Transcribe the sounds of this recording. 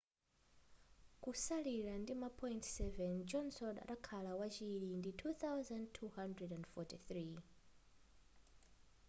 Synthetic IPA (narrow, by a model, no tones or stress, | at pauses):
kusaliɾandimapʰɔjintsɛvɛnd͡ʒɔnsɔda̰ɗakʰalawat͡ʃiɾinditʰuθawzãndtʰuhandɹɛdandfɔtiθɾi